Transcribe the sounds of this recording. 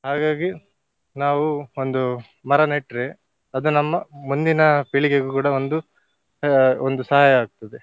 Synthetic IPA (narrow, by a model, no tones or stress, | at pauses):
ɦaːɡaːɡi | naːʋuond̪u | mɐɾɐneʈɾe | ɐd̪unɐmːɐmund̪inɐpiɭiɡeɡukuːɽɐo̞nd̪u | ond̪usɐɦaːjɐːɡ̚t̪ɐd̪e